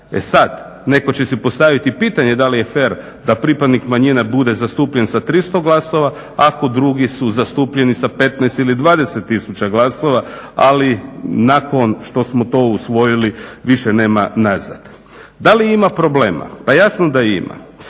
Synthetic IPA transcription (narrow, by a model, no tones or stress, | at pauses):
e̞̰sad̪ | ne̞ko̞t͡ɕe̞sipo̞st̪aʋit̪ipit̪aɲe̞d̪alije̞fe̞ɾ | d̪apɾipad̪nikmaɲinabud̪e̞zast̪uːpʎe̞nsat̪ɾist̪o̞ɡlˠaso̞ʋa | ako̞d̪ɾuɡisuzast̪uːpʎe̞nisape̞t̪naest̪ilid̪ʋaːd̪e̞set̪ːisut͡ɕaɡlˠaso̞ʋaalinako̞nʃt̪o̞smo̞t̪o̞usʋo̞jiliʋiʃene̞ːmanaza̰d̪̥ | d̪aliimapɾo̞ble̞ːma̰pajasnod̪aḭma̰